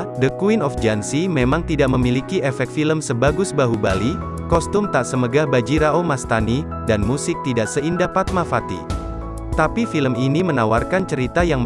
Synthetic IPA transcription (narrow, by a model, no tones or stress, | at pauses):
dəkuinɔfd͡ʒansimemaŋt̪idaʔməmilikiefɛk̪̚filəmsəbaɡʊsbaɦuba̰li | kɔst̪ʊmt̪aʔsəməɡahbad͡ʒiɾaomast̪ani | danmusɪk̚t̪idaʔsəindapat̪̚mafat̪ḭ | t̪apifiləminimənawarkant͡ʃəɾit̪ajaŋm